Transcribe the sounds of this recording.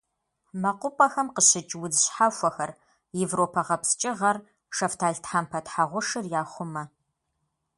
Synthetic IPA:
mɐqʷʊpʼɐxɐmqəɕɪt͡ʃʼwʊzɨɕħafʷɔxɐr | jevroːpʰɐʁɐpst͡ʃʼɪʁɐr | ʂɐftʰaːɮtʰħampʰɐtħaʁʷʊʂɨrjaːχʷʊmɐ

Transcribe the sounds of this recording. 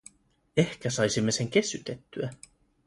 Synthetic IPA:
e̞hk̟æsɑjsimːe̞se̞ŋk̟e̞syt̪et̪ːyæ

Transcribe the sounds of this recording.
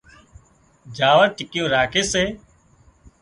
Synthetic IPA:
d͡ʒaːʋəɾʈɪkɪjõːɾaːkʰeːseː

